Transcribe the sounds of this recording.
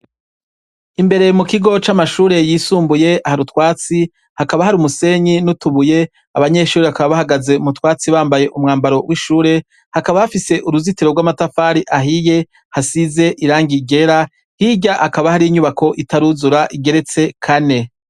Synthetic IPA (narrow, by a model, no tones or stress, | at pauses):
imbe̞ɾe̞mukiɡo̞t͡ʃamaʃuːɾe̞jiːsuːmbuje̞ahaɾutwaːt͡si | hakaβahaɾumuse̞ɲinutuβuje̞ | a̰βaɲe̞ʃuːɾeβakaβaβahaɡaze̞umutwaːt͡siβaːmbaje̞ʔumŋaːmbaɾo̞wʔiʃuːɾe̞ | hakaβahafise̞ʔuɾuzitiɾoɡwaːmatafaːɾiʔaɦije̞ | hasize̞ʔiɾaːŋɡiɡe̞ɾa | hiɟahakaβahaɾiɲuβakʰo̞ʔitaɾuzuɾaʔiɡe̞ɾe̞t͡se̞kʰane̞